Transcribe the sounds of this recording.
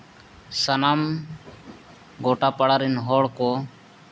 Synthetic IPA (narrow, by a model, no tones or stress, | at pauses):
sənaːm | ɡoːʈaːpəɽaːɾinɦoːɽkoː